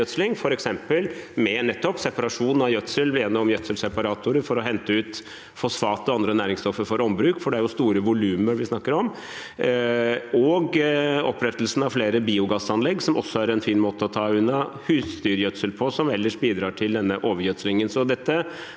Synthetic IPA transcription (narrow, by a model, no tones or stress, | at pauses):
œt̪slɪŋfɔɾɛksɛmpəlmɛnɛt̪ːɔpsɛpɑɾɑʂuːnn̩ɑjœt̪səleːnːəɔmjœt̪səlsɛpɑɾɑːt̪ʰʊɾəfɔɾɔɦɛnt̪əʉːt̪ | fɔsfɑːt̪ɔɑnd̪ɾənæːɾɪŋst̪ɔfːəɾfɔɾɔmbɾʉːkfɔɖɛæɾjʊst̪uːɾəʋʊlʉːməɾʋɪsnɑkːəɾɔm | ɔɡɔpːɾɛt̪əlsn̩ɑʋfleːɾəbiːʊɡɑsɑnlɛɡːsɔmɔ̰sːɔæɾɛnfiːnmoːt̪əɔt̪ʰɑːʉnːɑhʉːst̪yːɾjœt̪səlpʰɔsɔmɛlːəʂbiːd̪ɾɑːʈʰɪld̪ɛnːəʔoːʋəɾjœt̪slɪŋənsɔd̪ɛt̪ːə